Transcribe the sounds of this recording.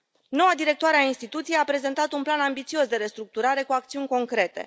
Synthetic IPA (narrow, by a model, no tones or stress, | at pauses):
no̞wad̪iɾe̞kt̪oaɾeainst̪it̪ut̪sijejapɾe̞ze̞nt̪at̪unplanambit̪sio̞sd̪e̞ɾe̞st̪ɾuk̚t̪uɾaɾe̞kuak̚t̪siunʲko̞ŋkɾe̞t̪e̞̰